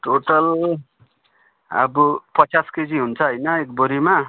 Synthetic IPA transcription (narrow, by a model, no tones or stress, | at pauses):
ʈoʈʌl | ʌ̰bupʌt͡sasked͡ziɦunt͡sʰʌɦʌjnʌek̚boɾima